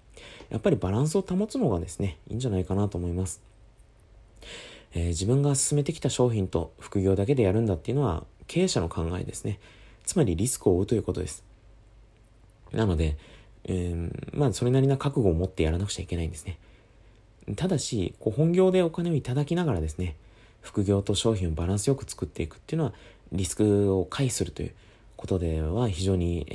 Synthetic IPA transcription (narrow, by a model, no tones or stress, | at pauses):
jʔa̰pːaɾʲibaɾãɰ̃s̬ɨo̞t̪amo̞t͡sɨno̞ɡad̪e̞sɨne̞ḭ̃ːɲ̟d͡ʑanaikanat̪o̞ːmo̞imasɨ̥ | eːd͡ʑibɯ̟̃ŋɡasɨ̥sɨme̞t̪e̞kʲi̥t̪aɕo̞ːçĩnt̪o̞̰ɸɯ̥kɯ̟ɡʲo̞ːd̪ak̬e̞d̪e̞jaɾɯ̟̃nd̪at̪ːe̞iɯ̟no̞βa̰kʰe̞ːɕano̞kʰãŋɡaḛd̪e̞sɨne̞ | t͡sɨmaɾʲiɾʲisɨ̥kɯ̟o̞ɯ̟t̪o̞jɯ̟ko̞t̪od̪e̞sɨ̥ | nano̞d̪ẽ̞ | maːso̞ɾe̞naɾʲinakakɯ̟ɡo̞ːmo̞t̪ːe̞jaɾanakɯ̟̥t͡ɕaikʲe̞naĩnd̪e̞sɨ̥ne̞ | t̪ad̪aɕiko̞ːhõ̞ŋɡʲo̞ːd̪e̞o̞kane̞o̞it̪ad̪akʲinaɡaɾad̪e̞sɨne | ɸɯ̥kɯ̟ɡʲo̞ːt̪o̞ɕo̞ːçĩɰ̃obaɾãɰ̃sɨjo̞kɯ̟̥t͡sɨ̥kɯ̟t̪ːe̞ikɯ̥t̪ːeiɯ̟no̞βaɾʲisɨ̥kɯ̟o̞kʰaisɨɾɯ̟t̪o̞̰jɯ̟̰ | ko̞t̪o̞d̪e̞βaçiʑo̞ːɲ̟i